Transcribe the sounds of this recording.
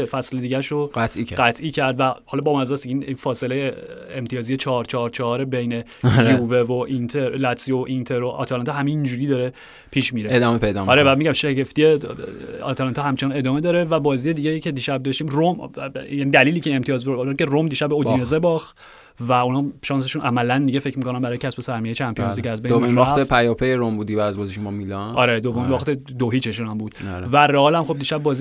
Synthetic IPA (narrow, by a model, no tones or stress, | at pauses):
efæsled̪iːɟæʃoɡæt̪ʰʔiæɡæt̪ʰʔiːcʰæɾd̪væhɒlɒbɒːmmæzsd̪ieininfɒːselejeemt̪ʰijɒːzijet͡ʃʰɒːɾt͡ʃʰɒːɾt͡ʃʰːɦɒɾebe̞jne̞ | uːvevoʔint̪ʰeɾlæt̪sioʔint̪ʰeɾoʔɒ̰t̪ʰælɒnt̪ʰɦæmeind͡ʒuɾiːd̪ɒːɾe̞ | pʰiːʃmiɾeed̪ɒːmepʰejd̪ɒɒɾebæd̪miɟæmʃeɟe̞ft̪ije | ɒ̰t̪ʰælɑnt̪ɒhæmt͡ʃʰenɑne̞d̪ɒːme̞d̪ɒːɾe̞væbɒːzije̞d̪iɟejicʰed̪iːʃæb̚d̪ɒʃt̪iːmromjæːnid̪æliːliːcʰeːmt̪ʰijɒːzeɾcʰe̞romd̪iːʃæbːeodinezebɒːx | væunɒːʃɒːns̬e̞ʃunʔæmælænd̪iɟefe̞cʰmikʰo̞næmbæɾɒːjecʰæsbesæɾmiejit͡ʃʰæmpʰijmuzikæzbejmiɒt̪epʰæjɒpejeɾombud̪ibæd̪æzbɒːziʃomɔmilɒnɒɾed̪ovominvɒːχt̪e | d̪oɦiːt͡ʃʰe̞ʃunæmbuːd̪̥væreɒːlæmxo̞b̚d̪iːʃæbːɒːzi